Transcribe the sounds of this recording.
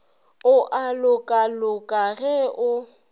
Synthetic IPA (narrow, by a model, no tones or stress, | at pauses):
ʊʔalʊkʼalʊkʼaɣɛʔʊ